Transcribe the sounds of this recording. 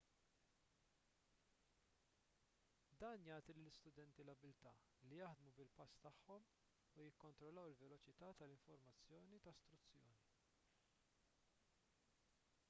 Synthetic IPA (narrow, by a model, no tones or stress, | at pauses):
d̪ɐːnjɐːt̪ilɪlɪst̪ʊd̪ɛnt̪ilɐbːɪlt̪ɐː | lijɐħd̪mubɪlpɐst̪ɐħːɔm | ujɪkːɔnt̪ɾɔlːɐwɪlvɛlɔt͡ʃɪt̪ɐːt̪ɐlɪɱfɔɾmɐt͡sːjɔːnit̪ɐst̪ɾʊt͡sːjɔːni